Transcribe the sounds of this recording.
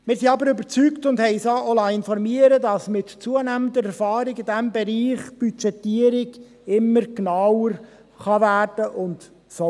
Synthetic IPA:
mɪːɾsiɑbəɾøbəɾt͡syktʊnd̥hɛɪsoʔolɑɪnfɔɾmiəɾədɑsmɪtt͡suənæmənd̪əɾɛɾfɑːɾɪɡɪdæmbɛɾiːχb̥yt͡ʃɛtiəɾɪɡ | ɪmːəɾɡnɑwəɾ | χɑvæːrd̥əʔʊnd | sɔ

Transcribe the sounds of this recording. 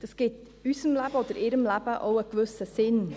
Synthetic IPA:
d̥ɑsɡ̥ɪt | ysəmlæb̥əoːd̥̪əɾɪɾəmlæb̥əʔo̰ʊəkvʏsəsɪn

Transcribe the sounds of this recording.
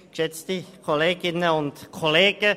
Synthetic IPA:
kʃɛt͡stikʰoleːɡɪnəʊntkʰoleːɡ̥ə

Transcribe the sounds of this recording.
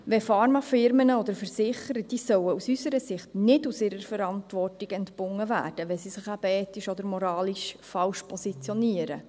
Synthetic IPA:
ʋɛfɑːɾmɑfɪɾmənəɔd̪əɾfəɾsɪχəɾəd̥iːsœwəusysəɾəsɪχtnɪdusɪɾəɾfəɾɑntʋɔrtiɡɛntbʊŋːəvæ̰ːɾd̥əʋɛsisɪχɑbɛːtiʃɔd̪əɾmɔɾɑːliʃfɑlʃpʰɔsit͡sjɔniəɾə

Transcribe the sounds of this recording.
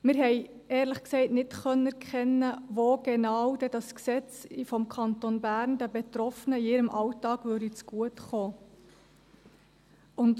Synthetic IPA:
mɪɾɦɛɪ | ɛːɾləχksɛɪtnɪtχœnəæɾkχɛnːəʋoɡ̥enɑwdɛdɑsksɛt͡sfɔmkʰɑntonbæːɾndæbɛtɾɔfənəiɪɾəmʔɑwtɑːɡ̥vʏɾdit͡sɡ̥uətχoː | ʊnd

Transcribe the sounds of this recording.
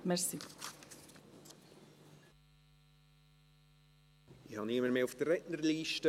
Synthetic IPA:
mɛɾsi | ihɑnɪməɾmeːʊfd̥ərːɛʔnərliːʃtə

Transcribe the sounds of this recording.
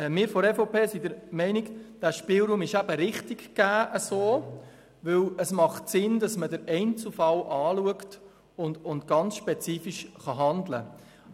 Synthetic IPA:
ɛmɪːɾfɔɾɛfoʊpeːsid̪əɾmɛɪnikd̥æːʃpɪlɾuːmɪʃæb̥əɾɪχtikkæːʔəsoː | ʋɵwəsmɑχtsɪndɑsmədəɾɛɪnt͡sufɑlʔɑːluəkt | ʊndʊntɡ̥ɑnt͡sʃpɛt͡siːfiʃχɑɦɑnd̪lə̰

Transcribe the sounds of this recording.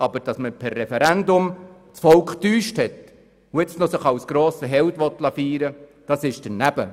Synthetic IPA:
ɑbəɾd̥ɑsməpʰɛrːɛfɛɾændʊm | t͡sfɔlkχtyːʃthɛt | ʊjɛt͡snɔsəχɑwsɡ̥ɾoːsəɦɛwtʋɔt̪lɑfiːɾəd̥ɑsɪʃd̥ənæb̥ə̰

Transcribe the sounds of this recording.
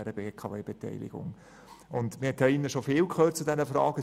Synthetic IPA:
æɾəbeːkʰɑveːb̥ɛt̪ɛ̰ɪlɪ̰ɡ̥ʊ̰ŋ | ʊnd̪mɪhɛt̪hɛinəʃofɪːwkʰχøːt̚t͡sudɛnəfɾɑːɡ̥ə

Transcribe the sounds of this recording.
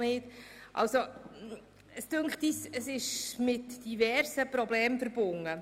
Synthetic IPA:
nɪːtʔɑ̰lso | əstɵŋkχtisəsɪʃmɪtd̥ivɛɾrsəpɾɔblɛːmfəɾb̥ʊŋːə

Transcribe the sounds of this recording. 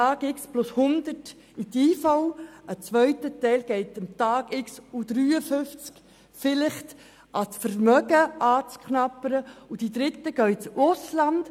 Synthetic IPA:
ɑːɡɪksplʊshʊnd̪ət | it̪iːfɔwət͡sʋœʏtətɛɪlɡ̥ɛɪtəmtɑːɡ̥ɪksud̥ɾyːəfʏft͡sk | fɪlɪχt | ʔɑsfəɾmœɡəʔɑːt͡skχnɑpəɾəud̥id̪ɾɪtəɡ̥œʏt͡sʊslɑnd̥

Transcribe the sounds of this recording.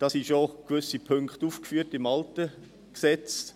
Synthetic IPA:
d̥ɑsiʃokvʏsipʰʏŋkχtuːfkfyːtɪmɑltə | ksɛt͡s

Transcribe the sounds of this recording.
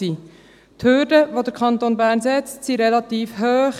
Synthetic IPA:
iː | t̪høɾdəʋod̪əɾkʰχɑnt̪onbæːɾnsɛt͡ssiɾɛlɑt̪iːfɦøːχ

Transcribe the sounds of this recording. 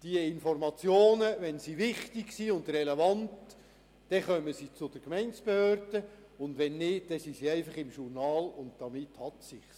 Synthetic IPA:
d̥iəɪnfɔrmɑt͡sjoːnəʋɛnsiʋɪχtɪɡsiʊndrɛlevɑntː | ɛχœməsit͡sʊd̥əɾkmɛɪnsb̥ehøːɾd̥ə | ʊndʋɛnːɪːtd̥ɛsisiɛɪfɑχɪmʃurnɑːlʊnt̚d̥ɑmɪthɑt̪sɪχ

